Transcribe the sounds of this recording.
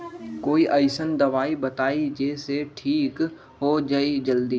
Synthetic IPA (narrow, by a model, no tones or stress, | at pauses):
koːiʔəɪsənd̪ɐʋaːibɐt̪aːid͡ʒeːseʈʰiːk | ɦod͡ʒaid͡ʒəld̪iː